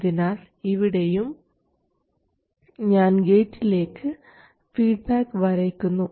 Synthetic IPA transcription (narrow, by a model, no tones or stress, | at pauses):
ðinaːl | iʋiɽe̞jum | ɲaːnɡe̞ːtːile̞ːkːɨ | fiːɖ̚baːkːɨʋɐɾɐjkʲːunːu